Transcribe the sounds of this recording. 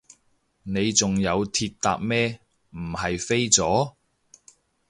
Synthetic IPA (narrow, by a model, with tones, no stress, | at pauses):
ne˨˧jt͡sʊ˨ŋjɐ˨˧wt̪ʰiː˧t̚t̪a̰ː˧k̚mɛː˥ | m̩˨˩hɐ˨jfe˥jt͡sɔː˨˥